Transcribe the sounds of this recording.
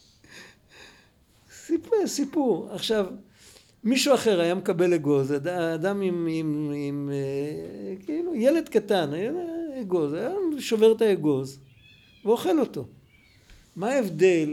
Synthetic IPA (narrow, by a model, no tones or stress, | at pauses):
sipusipuʁaχʃav | miʃuaχe̞ʁajamekabe̞leɡo̞zadaːd̪amimimime | kilujele̞d̪katanajaeɡo̞zajaʃo̞ve̞ʁet̪aeɡo̞z | veo̞χe̞lo̞t̪o̞ | maːevd̪e̞l